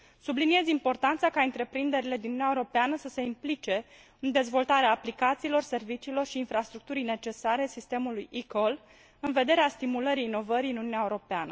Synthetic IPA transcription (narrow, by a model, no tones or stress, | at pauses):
sublinie̞zʲimpo̞rt̪ant̪sakaɨnt̪ɾe̞pɾind̪e̞ɾile̞d̪inunnaeeɾo̞peanəsəse̞implit͡ʃe̞ | ɨnd̪e̞zvo̞lt̪aɾeaːplikat̪siːlo̞rse̞rvit͡ʃiːlo̞rʃiːnfɾast̪ɾuk̚t̪uɾijne̞t͡ʃe̞saɾe̞sist̪e̞mulujikol | ɨnve̞d̪e̞ɾeast̪imuləɾiːno̞vəɾiinununʲaeuɾopeanə